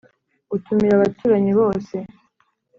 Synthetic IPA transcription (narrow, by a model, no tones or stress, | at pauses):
utumiɾaβatuːɾaɲiβo̞ːse̞